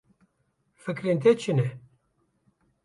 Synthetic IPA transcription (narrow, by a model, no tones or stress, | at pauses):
fɨkɾent̪ɛt͡ʃʰɨnɛ